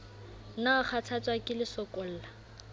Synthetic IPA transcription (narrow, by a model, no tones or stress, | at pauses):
naʊχʰat͡sʰat͡sʼwakʼɪlɪsɔkʼɔl̩ːla